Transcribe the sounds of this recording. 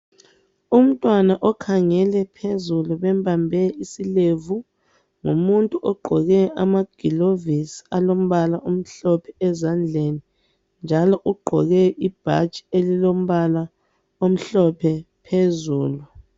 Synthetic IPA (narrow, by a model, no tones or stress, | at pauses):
um̩tʼwanaʔɔkʰaŋɛlɛpʰezuluβɛmbʱambʱɛisilevu | ŋṵmuntʼuʔɔɡ͡ǃʱɔɣɛʔamaɡ̥ʱilovisialom̩βalaʔum̩ɬɔpʰɛɛzand͡ɮʱeni | nd͡ʒʱalɔʔuɡ͡ǃʱɔɣɛʔib̥ʱa̰t͡ʃʼi̥elilom̩βala | om̩ɬɔpʰɛ | pʰezuːlu